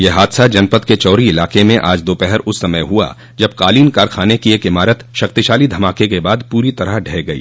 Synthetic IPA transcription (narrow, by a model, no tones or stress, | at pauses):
jeɦaːd̪sad͡ʒɐnpət̪ket͡ʃɔːɾiɪlaːqemẽʔa̰ːd͡ʒd̪oːpɛɦɛɾʊsːɐməjɦua̰ː | d͡ʒɐb̚qaːliːnkaːɾkʰaːnekieːkɪmaːɾət̪ʃɐkt̪iʃaːlid̪ʱɐmaːkekebaːd̪puːɾit̪ɐɾəɖʱɛːɡɐḭː